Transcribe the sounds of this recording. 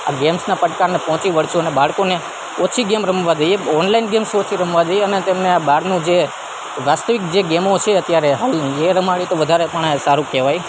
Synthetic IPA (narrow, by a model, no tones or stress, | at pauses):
a̰ɡemsnapəʈkaɾnepɔɦɔ̃t͡ʃiʋəɭt͡ʃuənebaɭkone | ot͡ʃʰiɡemɾəmʋad͡ʒəjeɔnlainɡemsot͡ʃʰiɾəmʋad͡ʒəjeənet̪emneabaɾnũd͡ʒe | ʋast̪əʋik̚d͡ʒeɡemot͡ʃʰeət̪jaɾeɦaleɾəmaɭjit̪oʋəd̪ʱaɾepəɳsaɾũkɛʋaj